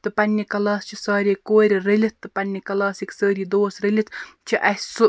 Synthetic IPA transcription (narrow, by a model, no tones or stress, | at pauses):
t̪ɨpɐnʲːikɐlˠɑːst͡ʃʰəsɑːɾʲikoːɾʲrəlʲit̪ːɨpɐnʲːikɐlˠɑːsiksəːɾʲiːd̪oːsɾəlʲit̪t͡ʃʰəʔɐsu